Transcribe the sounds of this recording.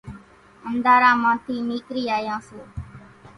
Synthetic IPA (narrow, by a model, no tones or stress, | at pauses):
ənd̪aːɾãːmãːt̪ʰiːmiːkɾiːaːjãːseː